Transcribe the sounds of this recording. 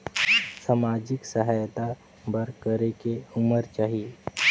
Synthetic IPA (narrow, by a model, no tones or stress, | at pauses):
samad͡ʒɪksəɦaːjt̪a | bəɾkəɾekeʊməɾt͡ʃaːɦie